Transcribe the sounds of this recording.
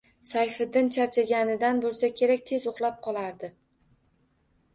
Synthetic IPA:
sajfɪd̪ːɪnt͡ʃʰaɾt͡ʃʰaɡʲanɪd̪anbolˠsakʲʰe̞ɾak̚ʲt̪ʰe̞zʊχlˠap̚qʰɒlˠaɾd̪ɪ

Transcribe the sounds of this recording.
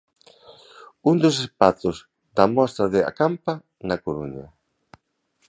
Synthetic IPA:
und̪ʊs̬espaθʊz | d̪amɔst̪ɾaðɪa̰kampa | nakoɾuɲa

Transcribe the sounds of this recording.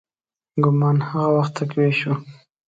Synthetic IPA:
ɡʊmɑnhaɣawaxt̪ːakweʃu

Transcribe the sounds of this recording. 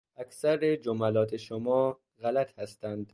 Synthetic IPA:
ʔækʰsæɾed͡ʒomælɒːt̪ʰeʃomɒː | ɣælæt̪hæst̪ænd̪̥

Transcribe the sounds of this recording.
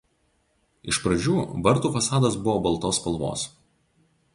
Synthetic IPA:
ɪʃpɾɐd͡ʒʲuːʋɐɾt̪uːfɐsɑːd̪ɐs̬bʊʋoːbɐlˠt̪oːspɐlˠˑʋo̰ːs

